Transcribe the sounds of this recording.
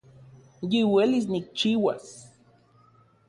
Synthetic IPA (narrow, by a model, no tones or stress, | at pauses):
jiwelis̬nik̚t͡ʃiwa̰s